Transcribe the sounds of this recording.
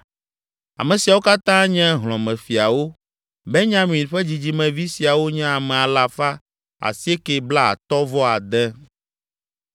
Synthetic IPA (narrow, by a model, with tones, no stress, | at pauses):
a̰˨mɛ̃˨si˨a˨wo˦ka˦t̪ã˦ɲɛ̃˦ɦlɔ̃˨mɛ̃˨fi˨a˨wo˦ | bɛ˦ɲã˦mĩ˨ɸɛ˦d͡ʑi˨d͡ʑi˨mɛ̃˨vi˦si˨a˨wo˦ɲɛ̃˦a˨mɛ̃˨a˨la˨fa˦ | a̰˨si˦e˦ke˨bla˦a̰˨t̪ɔ˦vɔ˦a˨d̪ɛ̃˦